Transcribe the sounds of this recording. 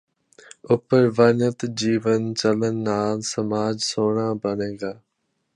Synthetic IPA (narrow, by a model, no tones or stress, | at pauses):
ʊpəɾʋanət̪d͡ʒiːʋənt͡ʃələnːaːlsəmaːd͡ʒsoːɳ̃ãːbənẽːŋɡaː